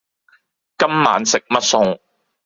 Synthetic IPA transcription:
kɐ˥mma̰ː˨˥nsɪ˨k̚mɐ˥t̚sʊ˧ŋ

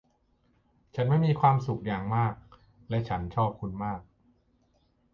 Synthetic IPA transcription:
t͡ɕʰa˦˥nma˥˩jmiː˧kʰwaː˧msu˨˩k̚jaː˨˩ŋmaː˥˩k̚ | lɛ˦˥t͡ɕʰa˦˥nt͡ɕʰɔː˥˩p̚kʰu˧nmaː˥˩k̚

